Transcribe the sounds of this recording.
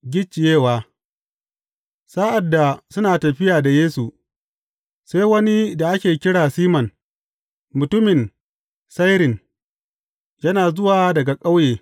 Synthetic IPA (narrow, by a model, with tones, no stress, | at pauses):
ɡʲɪ˦t͡ʃːɪ˨jeː˦˨waː˨ | sa˦ʔa˨dːa˨sʊ˦naː˨tɐ˨ɸɪ˦jaː˨da˨jeː˦su˨ | se˦jwɐ˦ni˦da˨ʔa˦kʲeː˨kʲɪ˦ɽaː˨siː˦mɐ˨n | mʊ˨tʊ˦mɪ˨n | sa˦jɾɪ˨n | jɐ˦naː˨zʊ˦waː˨dɐ˨ɡa˨kʼa˦wjeː˨